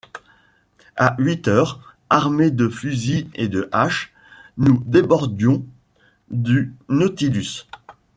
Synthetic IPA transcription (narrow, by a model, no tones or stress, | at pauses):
aɥit̪œːʁ | aʁmed̪əfyzied̪əʔaʃ | nud̪ebɔʁd̪jɔ̃ | d̪ynot̪ilys